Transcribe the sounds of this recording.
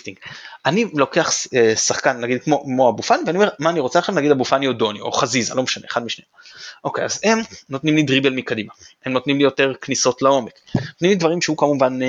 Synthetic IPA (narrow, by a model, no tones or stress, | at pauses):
tiŋɡʔanilo̞ke̞aχesaχkanːnaɡid̪̚kmomo̞abufaniveaniome̞ʁmaːniʁo̞t͡seaχʃavnaɡid̪abufaniodo̞nio̞̰χaziza̰lo̞meʃane̞eχad̪miʃne | ʔo̞kejaze̞mno̞t̪nimlidʁibelmikadimaemno̞t̪nimlijo̞te̞ʁkniso̞tlao̞mekot̪nimlidvaʁimʃeukamumvan